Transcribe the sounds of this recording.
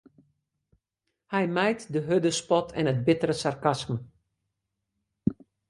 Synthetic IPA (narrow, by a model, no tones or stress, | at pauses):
hɛjmɛjtdəɦødəspɔtʰɛ̰nət̚bɪtəɾəsarkasmə